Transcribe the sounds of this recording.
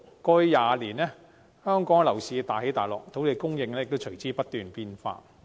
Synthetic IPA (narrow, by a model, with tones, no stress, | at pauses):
kɔː˧i˧jaː˨liː˨˩nɛː˥ | hœː˥ŋkɔː˨˥ŋ˧lɐ˨˩wsiː˨˧t̪aː˨˩he˨˥jt̪aː˨jlɔ̰ː˨k̚t̪ʰo˨˥wle˨˧kʊ˥ŋjɪ˨˧ŋlɛ˥˨k̚t̪o˥wt͡ʃʰɵ˨˩ɥt͡siː˥pɐ˥t̚t̪yː˨npiː˧nfa̰ː˧